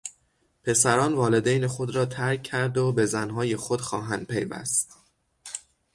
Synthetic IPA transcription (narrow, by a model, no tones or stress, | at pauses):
pʰe̞sæɾɒːnvɒːle̞d̪ejnexo̞d̪ɾɒːt̪ʰæɾkʰːæɾd̪obe̞zænɦɒːje̞xod̪̥xɒːɦænd̪̥̚pʰe̞jvæ̰st̪